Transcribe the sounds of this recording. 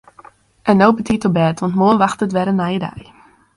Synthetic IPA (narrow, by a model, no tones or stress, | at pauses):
ʔɛnːowbətʰitobɛːtʋɑntmoənʋaxtətʋɛɾənːajədɛ̰j